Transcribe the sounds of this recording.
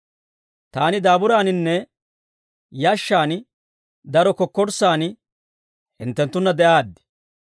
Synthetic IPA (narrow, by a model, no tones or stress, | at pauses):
t̪aːnɪd̪aːbʊɾaːnɪnːɛ | jaʃːaːn | d̪ɐɾɔkɔkːɔɾsaːn | hɪ̰nt̪ːɛnt̪ːʊnːɐd̪ɛʔaːd̪ːɪ̥